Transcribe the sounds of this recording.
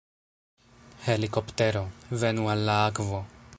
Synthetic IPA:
helikopt̪eɾovenualːakvo

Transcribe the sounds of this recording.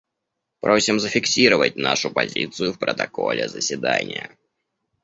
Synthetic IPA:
pɾo̞sʲɪmzəfʲɪksʲiɾəvətʲnaʂʊpɐzʲit̪sɨjʊfpɾət̪ɐko̞lʲɪzəsʲɪd̪anʲɪjə̰

